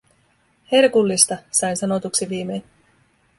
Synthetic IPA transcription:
herkulːist̪ɑsɑjnsɑno̞t̪uksiʋiːme̞ːn

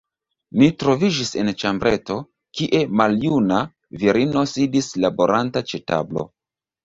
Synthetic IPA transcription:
nitɾo̞vid͡ʒise̞nt͡ʃambɾe̞to̞ | kiʔe̞maljuna | viɾino̞sidislaboɾantat͡ʃe̞ta̰blo̞̰

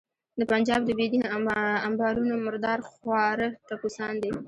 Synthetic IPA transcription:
d̪əpand͡ʒɑb̚d̪əbed̪iambɑɾunomʊɾd̪ɑɾxwɑɾət̪akusɑnd̪i

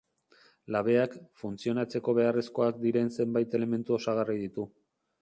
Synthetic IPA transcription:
laβe̞akfunt͡sio̞nat͡se̞ko̞β̞e̞aresko̞ak̚d̪iɾe̞nse̞mbajt̪e̞le̞me̞nt̪uo̞saɣ̞ariðit̪u

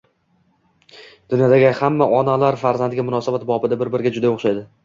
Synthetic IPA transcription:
d̪̥ʊnjɒd̪aɡʲɪhamːaʔɒnalaɾfaɾzand̪ɡʲamʊnɒsabat̪bɒbɪd̪abɪɾbɪɾɪɡʲad͡ʒʊd̪aoχʃajd̪ɪ

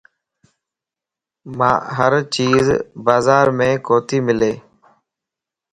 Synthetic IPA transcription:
mã̰ːɦəɾt͡ʃiːzbaːzaːɾmẽːkoːt̪ʰiːmɪleː

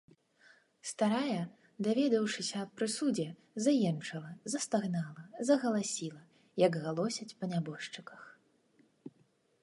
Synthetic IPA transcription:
st̪aɾajɐ | d̪avʲɛd̪ɐwʂɨsʲɐːpɾɨsud͡zʲɛ | zajɛmt͡ʂɐlˠɐzɐst̪aɣnalˠɐzɐɣɐlˠasʲilˠɐ | jɐɡɣalˠɔsʲɐt͡sʲpɐnʲabɔʂt͡ʂɨkɐx

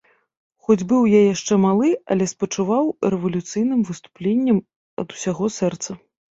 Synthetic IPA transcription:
xɔd͡zʲbɨwjajaʂt͡ʂɛmalˠɨɐ̰lʲɛspɐt͡ʂuvawɾɛvɐlʲut̪sɨjnɨmvɨst̪u̥plʲenʲːɛm | ɐ̰d̪usʲaɣɔsɛrt̪sɐ

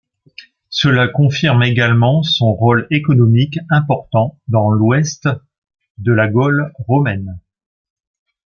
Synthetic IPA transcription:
səlakɔ̃fiʁmeɡalmɑ̃sɔ̃ʁolekɔnɔmikɛ̃pɔʁt̪ɑ̃d̪ɑ̃lwɛst̪ | d̪əlaɡɔlʁomɛn

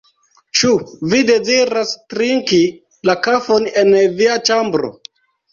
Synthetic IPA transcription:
t͡ʃuvide̞ziɾastɾiŋki | lakafo̞ne̞nviat͡ʃambɾo̰

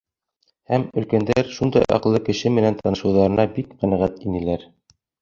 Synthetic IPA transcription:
hæmɵ̆lkænd̪æɾʃund̪ɑjʔɑ̰qɤ̆lˠːɤkɘ̆ʃɘmɘ̆nænt̪ɑnɤ̆ʃɤ̆wðɑɾɤ̆nɑbikqænæʁæt̪inɘ̆læɾ

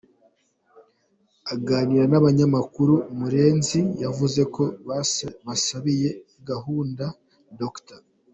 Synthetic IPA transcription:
aɡaːniɾanaβaɲamakuɾumuɾe̞ːnzijavuze̞ko̞ | βasaβije̞iɡaɦuːnda | dokta

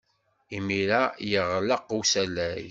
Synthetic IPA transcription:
imiɾæjəʁləqusælæj

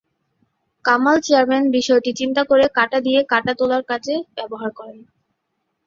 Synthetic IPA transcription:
kamalt͡ɕeaɾmenbiʃɔeʈit͡ɕint̪akoɾekaʈad̪ijekaʈat̪olaɾkat͡ɕʰebɛboɦaɾkɔɾen

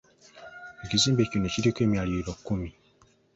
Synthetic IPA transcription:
ekizibekinet͡ʃidekemiaɾiɾɔkːumĩ

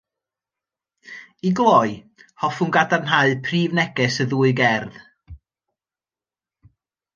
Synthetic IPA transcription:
iɡlˠɔɨ | hɔfunɡadarnɦaɨpʰriːvnɛɡɛsəðuːɨɡɛrð

